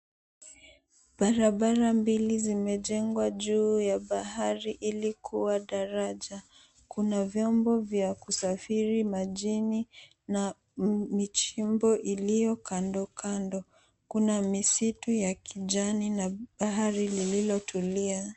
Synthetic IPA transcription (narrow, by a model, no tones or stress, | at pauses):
ɓaɾaɓaɾambilizimɛʄɛŋɡwaʄuːjaɓaɦaɾiʔilikʰuwaɗaɾaʄa | kʰunavjɔmbɔvjakusafiɾimaʄini | na | mit͡ʃimbɔʔilijɔkʰandɔkʰandɔ | kunamisitujakʰiʄaninaɓaɦaɾilililɔtʰulia